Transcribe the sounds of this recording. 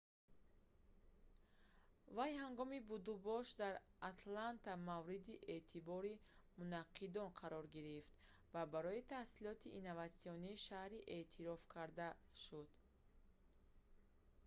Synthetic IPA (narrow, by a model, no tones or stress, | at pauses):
vajhaŋɡɔmibud̪ubɔʃd̪aɾat̪ʰlant̪amavɾid̪iʔeʔt̪ʰibɔɾimunaqʰːid̪ɔnqʰaɾɔɾɡiɾift̪ | vabaɾɔit̪ʰahsilɔt̪ʰiʔːnːavat̪siɔniːʃahɾiʔet̪ʰiɾɔfkʰaɾd̪aʃud̪̥